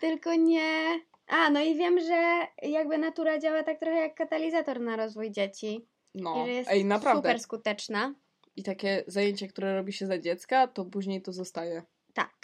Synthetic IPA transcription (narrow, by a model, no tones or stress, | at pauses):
t̪ɘlkɔɲɛ | ʔanɔivʲjɛmʐɛjaɡ̚bɘnat̪uɾad͡ʑawat̪ak̚t̪ɾɔxɛjakːat̪alʲizat̪ɔɾnaɾɔzvujd͡ʑet͡ɕi | nɔiʐɛjɛsainapɾavud̪ɛɛɾskut̪ɛt͡ʂna | it̪akʲɛzajeɲt͡ɕɛkt̪uɾɛɾɔbʲiɕɛzad͡ʑɛt̪skat̪ɔpuʑɲejt̪ɔzɔst̪ajɛ | t̪a̰k